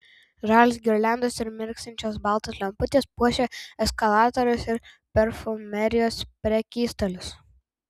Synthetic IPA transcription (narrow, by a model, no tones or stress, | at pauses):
ʒɑːlʲɪsɡʲɪɾʲlʲæˑnd̪oːsɪɾmʲɪɾʲksʲt̪ʲɪnʲt͡ʃʲoːsbɑlˠt̪oːslʲɛmpʊt̪ʲeːspuɔʃʲeɛskɐlˠɑːt̪oɾʲʊsɪɾ | pʲɛɾfʊmʲɛɾʲɪjoːspʲɾʲɛkʲiːst̪ɐlʲʊs